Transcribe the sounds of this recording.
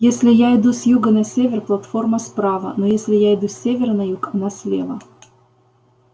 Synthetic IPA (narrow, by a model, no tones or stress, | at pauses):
jesʲlʲɪjaɪd̪usʲjuɡənɐsʲevʲɪrplˠɐt̪fo̞rmɐspɾavə̰nojesʲlʲɪjaɪd̪usʲːevʲɪrnɐjukɐnasʲlʲḛvə